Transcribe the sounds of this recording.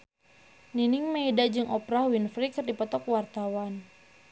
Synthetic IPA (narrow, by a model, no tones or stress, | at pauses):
niniŋmaidad͡ʒɨŋʔɔpɾahwinfɾikɨrdipɔt̪ɔkwart̪awan